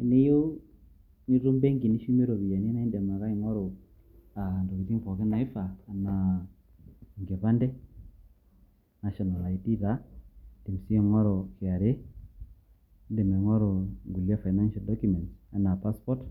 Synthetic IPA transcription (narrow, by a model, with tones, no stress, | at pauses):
i˨ni˦jo˦ | ɲi˦ɾu˦mbe˦ŋɡi˨ni˦ʃu˦me˦ɾo˨βi˨ja˨ni˦na˦i˦ndɛ˨ma˨ka˦i˨ŋɔ˦ɾo˨ | a˨ndo˨ki˨ti˦ɱfɔ˨ke˦na˨i˦faː˨na˨ | ŋɡe˨pa˦ndɛ˦ | na˨ʃɔ˨na˨la˨i˨ti˦ta˦d̥i˨m˨si˦˨ŋɔ˦ɾɔ˨kɪ˨a˨ɾe˦ | nde˨mɛ˨ŋɔ˦ɾo˨ŋɡu˨lja˦fa˨i˨na˦nʃa˨ldɔ˦kjumɛ˨nsa˨na˨pa˦spɔ˦t